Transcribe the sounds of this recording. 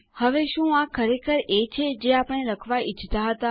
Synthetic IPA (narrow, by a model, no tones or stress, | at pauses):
həʋeʃũakʰəɾekʰəɾet͡ʃʰed͡ʒeapəɽ̃eɾəkʰʋait͡ʃt̪aɦət̪a